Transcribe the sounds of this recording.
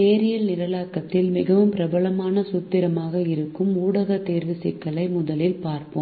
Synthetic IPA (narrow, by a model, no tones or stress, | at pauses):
eːɾɪjɐlnɪɾɐlaːkːɐt̪ːɪlmɪɣɐʋɯmpɪɾɐbɐɭɐmaːnɐsʊt̪ːɪɾɐmaːɣɐɪɾɯkːɯmuːɽɐɣɐt̪ːeːɾʋɪsɪkːɐlɐɪmʊðɐlɪlpaːɾpɯm